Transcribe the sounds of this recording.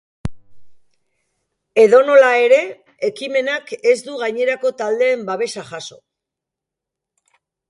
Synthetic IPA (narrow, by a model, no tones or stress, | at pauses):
e̞ð̞o̞no̞lae̞ɾe̞ | e̞kime̞nake̞zd̪uɣajɲe̞ɾako̞t̪ald̪e̞ːmbaβe̞saʝaso̞